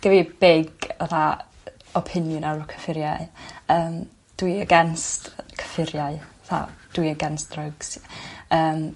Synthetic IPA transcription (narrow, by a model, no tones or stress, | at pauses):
ɡ̥ɛvibeɡaθa | ɔpʰɪnjʊnaɾɔkʰə̥fɪɾjajəːm | d̥wiəɡɛnstkʰə̥fɪɾjaɨaθa̰d̥wiəɡɛnsd̥rɔɡsəːm